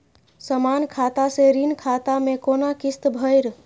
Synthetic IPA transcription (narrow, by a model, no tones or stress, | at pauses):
səmankʰat̪aseɾinkʰat̪amekonakist̪bʱəjɾ